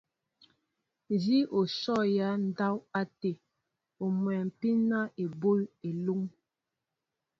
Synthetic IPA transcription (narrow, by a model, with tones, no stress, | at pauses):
n˨d͡ʒi˦ʔo˨sɔ˦˨ja˦n̩˦da˦wa˦te˨ | o˨mwɛ˨m̩˨pi˦na˦e˨bo˦je˨lu˦ŋ